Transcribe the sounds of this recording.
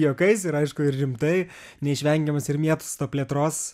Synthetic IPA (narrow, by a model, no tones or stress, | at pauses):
joːkɐɪsɪɾɐɪʃkʊɪrrʲɪmt̪ɐɪ | nʲɛɪʃʲʋʲɛŋʲɡʲɛmɐsɪɾmʲiɛt̪ʊ̥st̪oːpʲlʲiɛt̪ɾoːs